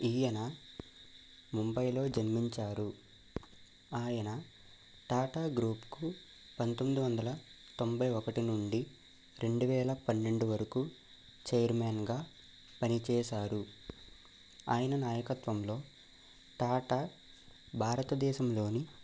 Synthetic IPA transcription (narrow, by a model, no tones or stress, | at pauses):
iːjɐnɐ | mumbɐjlo̞ːd͡ʒɐnmiɲt͡ʃaːɾu | aːjɐnɐ | ʈaːʈaːɡɾuːpku | pɐnt̪omːid̪iʋɐnd̪ɐlɐ | t̪o̞mbɐjɔkɐʈinuɳɖi | ɾe̞ɳɖuʋɛːlɐpɐnːe̞ɳɖuʋɐɾɐkuː | t͡ʃɛjɐɾmaːnɡaː | pɐnit͡ʃɛːʃaːɾu | a̰ːjɐnɐnaːjɐkɐt̪ʋɐmlo̞ː | ʈaːʈaː | bʱaːɾɐt̪ɐd̪ɛːʃɐmlo̞ːni